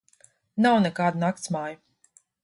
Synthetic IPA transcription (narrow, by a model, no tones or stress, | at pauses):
nawnɛkaːd̪unakt̪smaːju